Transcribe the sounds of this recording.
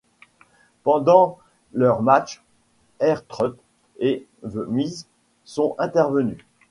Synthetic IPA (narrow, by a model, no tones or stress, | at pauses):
pɑ̃d̪ɑ̃ | lœʁmat͡ʃ | ɛʁt̪χɔt̪ | e | vəmiz | sɔ̃ɛ̃t̪ɛʁvəny